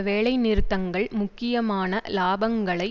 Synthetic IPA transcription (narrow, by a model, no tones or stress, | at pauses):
ʋeːɭɐɪnɪɾɯt̪ːɐŋɡɐɭmʊkːɪjɐmaːnɐlaːbɐŋɡɐɭɐɪ